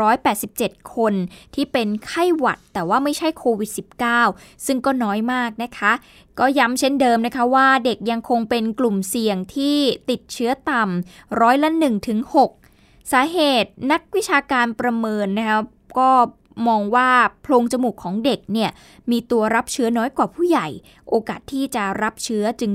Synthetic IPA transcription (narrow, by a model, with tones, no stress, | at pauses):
ɾɔː˦˥jpɛː˨˩t̪̚si˨˩p̚t͡ɕe˨˩t̪̚kʰo˧nt̪ʰiː˥˩pe˧nkʰa˥˩jwa̰˨˩t̪ːɛː˨˩waː˥˩ma˥˩jt͡ɕʰa˥˩jkʰoː˧wi˨˩t̪̚si˨˩p̚kaː˥˩wsɯ˥˩ŋkɔː˥˩nɔː˦˥jmaː˥˩k̚na˦˥kʰa˦˥ʔ | kɔː˥˩ja˦˥mt͡ɕʰe˥˩ndɤː˧mna˦˥kʰa˦˥waː˥˩de˨˩k̚ja˧ŋkʰo˧ŋpe˧nklu˨˩msi˨˩əŋt̪ʰiː˥˩t̪i˨˩t̪̚t͡ɕʰɯ˦˥ɐt̪a˧m | ɾɔː˦˥jla˦˧˥nɯ˨˩ŋt̪ʰɯ˩˦ŋho˨˩k̚ | saː˩˦ɦeː˨˩t̪̚na˦˥k̚wi˦˥t͡ɕʰaː˧kaː˧npɾa˧mɤː˧nːa˦˥kʰa˦˥ | kɔː˥˩ | mɔː˧ŋwaː˥˩pʰloː˧ŋt͡ɕa˧mu˨˩kʰːɔː˩˦ŋde˨˩k̚ni˥˩ɐ | miː˧t̪u˧ɐɾa˦˥p̚t͡ɕʰɯ˦˥ɐnɔː˦˥jkwaː˨˩pʰuː˥˩ja˨˩j | ʔoː˧kaː˨˩t̪ʰːiː˥˩t͡ɕa˨˩ɾa˦˥p̚t͡ɕʰɯ˦˥ɐt͡ɕɯ˧ŋ